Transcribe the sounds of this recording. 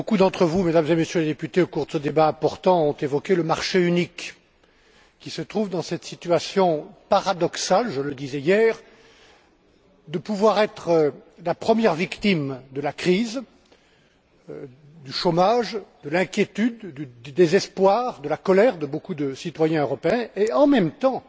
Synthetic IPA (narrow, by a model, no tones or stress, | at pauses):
bokud̪ɑ̃t̪χəvumed̪amzemesjøled̪epyt̪eokuʁd̪əsəd̪ebaɛ̃pɔʁt̪ɑ̃ɔ̃t̪evɔkʲeləmaʁʃeynik | kʲːisət̪χuvd̪ɑ̃sɛt̪sit̪yɥasjɔ̃paʁad̪ɔksalʒələd̪izɛjɛːʁ | d̪əpuvwaʁɛt̪χəlapχəmjɛʁvikt̪imd̪əlakχiz | d̪yʃomaʒd̪əlɛ̃kʲjet̪yd̪ːyd̪yd̪ezɛspwaʁd̪əlakɔlɛʁd̪əbokud̪əsit̪wajɛ̃øʁɔpeɛ̃eɑ̃mɛmt̪ɑ̃